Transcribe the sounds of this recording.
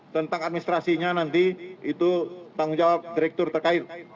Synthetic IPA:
t̪ənt̪aŋat̪̚minist̪ɾasiɲanant̪iit̪ut̪aŋud͡ʒawap̚diɾɛk̚t̪ʊrt̪ərkaɪt̪̚

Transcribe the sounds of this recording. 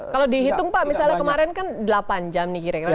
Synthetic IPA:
kalodiɦit̪ʊŋpaʔmisalɲakəmaɾɛnkandəlapand͡ʒamnikiɾakiɾa

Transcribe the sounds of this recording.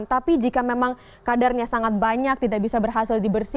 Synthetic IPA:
nt̪apid͡ʒikamemaŋ | kadarɲasaŋat̪̚baɲak̚t̪idaʔbisabərɦasɪldibərsi

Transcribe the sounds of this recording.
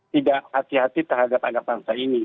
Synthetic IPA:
t̪idaʔhat̪iɦat̪it̪əɦadapanabaŋsaini

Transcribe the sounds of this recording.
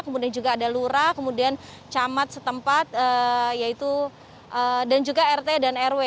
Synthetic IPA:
kəmudiand͡ʒuɡaːdaluɾakəmudian | t͡ʃamat̪̚sət̪əmpat̪̚əjait̪u | ʔədand͡ʒuɡaɛrt̪edanɛrwe

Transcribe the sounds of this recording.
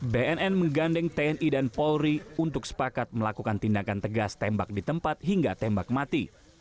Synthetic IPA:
beɛnɛnməŋɡandɛŋt̪eɛnʔidanpɔlɾiunt̪ʊksə̥pakat̪̚məlakukant̪indakant̪əɡast̪ɛmbak̚dit̪əmpat̪̚ɦiŋɡat̪ɛmbak̚mat̪i

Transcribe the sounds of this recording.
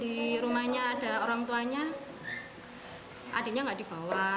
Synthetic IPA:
diɾumaɲaːd̥a̤oɾaŋt̪uaɲa | ʔad̥e̤ɲaŋɡaʔd̥ib̥a̤wa

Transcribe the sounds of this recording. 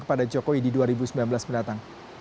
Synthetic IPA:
kə̥padad͡ʒokoididuaɾibusəmbilanbəlasməndat̪aŋ

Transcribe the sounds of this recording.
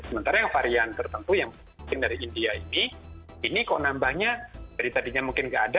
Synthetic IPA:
səmənt̪aɾajaŋfaɾiant̪ərt̪ənt̪ujaŋ | ɪŋdaɾiindiaini | inikaonambahɲadadit̪adiɲamuŋkɪnŋɡaʔːda

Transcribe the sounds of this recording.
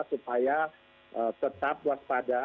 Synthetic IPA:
supaja | ʔət̪ət̪ap̚wak̚pada

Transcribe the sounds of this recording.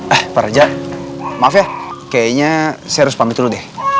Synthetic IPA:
ahpaɾad͡ʒa | mafiakajaɲasɛɾʊspamit̪uludɛh

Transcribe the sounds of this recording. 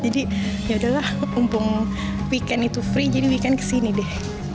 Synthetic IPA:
d͡ʒadijaudalahumpʊŋ | wikanit̪ufɾid͡ʒadiwikankə̥sinidɛh

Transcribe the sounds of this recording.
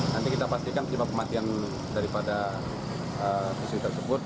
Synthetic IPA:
nant̪ikit̪apast̪ikanəibap̚kəmat̪ian | daɾipada | əsisuit̪ərsəbʊt̪̚

